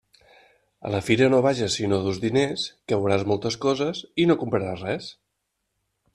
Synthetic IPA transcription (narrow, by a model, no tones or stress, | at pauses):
ə̰ləfiɾənoβ̞aʒəsinoðuzðineskəwɾazmɔlˠt̪əskɔzəsinokumpɾəɾasrɛs